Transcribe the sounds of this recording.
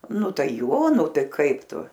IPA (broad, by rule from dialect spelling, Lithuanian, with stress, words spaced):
ˈnʊ ˈtɐɪ ˈjoː ˈnʊ ˈtɐɪ ˈkɐɪp ˈtʊ